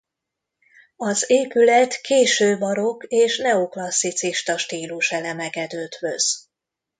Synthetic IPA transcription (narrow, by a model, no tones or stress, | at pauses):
ɒzeːpylɛt̪kʰeːʃøːbɒɾo̞keːʃnɛoklɒsːit̪siʃt̪ɒʃt̪iːluʃɛlɛmɛɡɛd̪øːt̪ʋøz̥